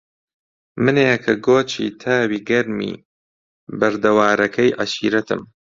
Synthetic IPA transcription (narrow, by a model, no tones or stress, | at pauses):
mɨnekʰɐɡoːt͡ʃʰḭːt̪ʰaːwiːɡɐɾmḭː | bɐɾd̪ɐwaːɾɐkʰɐjʔɐʃḭːɾɐt̪ʰɨ̰m